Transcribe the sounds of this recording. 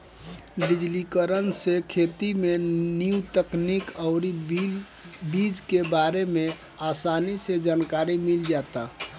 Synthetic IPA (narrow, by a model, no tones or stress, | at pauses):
ɖid͡ʒlikəɾənsekʰet̪imeniut̪əknikəʊɾi | bid͡ʒkebaɾeme | aːsanised͡ʒaːnkaɾimild͡ʒat̪a